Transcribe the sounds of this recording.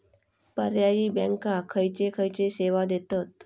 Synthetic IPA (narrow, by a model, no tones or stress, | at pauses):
pəɾjajiːbɛ̃ŋkakʰəjt͡ɕekʰəjt͡ɕeseʋad̪et̪ət̪̚